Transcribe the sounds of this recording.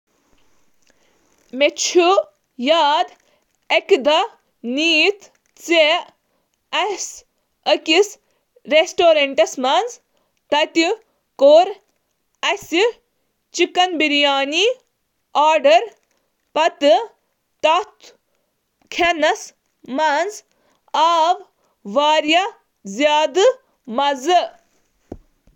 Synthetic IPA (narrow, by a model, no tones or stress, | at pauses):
met͡ʃʰu | jaːd̪ | ekd̪ɐ | niːt̪ | t͡se | ɐs | əkis | ɾesʈoːɾɐɳʈɐsmɐnz | t̪ɐt̪i | koːɾ | ɐsʲi | t͡ʃikɐnbiɾjaːni | aːɾɖɐɾ | pɐt̪ɨ | t̪ɐt̪ʰ | kʰenɐs | mɐnz | aːʋ | ʋaːɾjɐ | zjaːd̪ɨ | mɐzɨ